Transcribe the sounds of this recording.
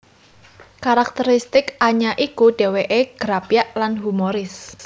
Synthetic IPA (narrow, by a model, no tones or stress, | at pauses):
kaɾak̚t̪əɾist̪ɪkaɲaʔikuɖ̥e̤weʔeɡ̥ɾapjaʔlanɦumoɾɪs